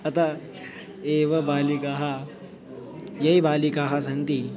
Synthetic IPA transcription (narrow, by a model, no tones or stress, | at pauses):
at̪a | eʋəbalikaɦa | jeibaliːkaɦas̬ənt̪iː